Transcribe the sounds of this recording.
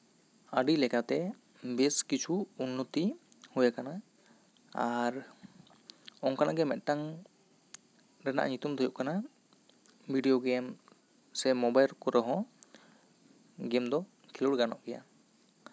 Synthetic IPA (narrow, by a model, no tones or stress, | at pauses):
əɖilɛkat̪ɛ | bɛskit͡ʃʰuunːɔt̪i | hujakana | aɾ | ɔŋkanaɡɛmɛt̪̚ˀʈaŋ | ɾɛna̰ʔɲut̪umd̪ʱɔjuʔkana | bʱiɖijɔɡɛm | sɛmɔbajlkɔɾɔɦɔ̃ | ɡɛmd̪ɔ | kʰiluɽɡanɔʔkɛja̰